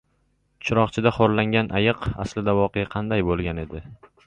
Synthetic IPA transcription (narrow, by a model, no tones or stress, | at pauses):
t͡ʃʰʊɾɒqt͡ʃʰɪd̪aχoɾlaŋɡʲanʔajɨqa̰slɪd̪avɒqʰejaqʰɑnd̪ajbolˠɡʲane̞d̪ɪ